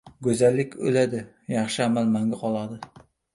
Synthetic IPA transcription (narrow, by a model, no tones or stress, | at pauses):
ɡɵzalːɪkʲʰɵ̰lad̪ɪ | jɑχʃɪamalmaŋɡʲaqʰɒlˠad̪ɪ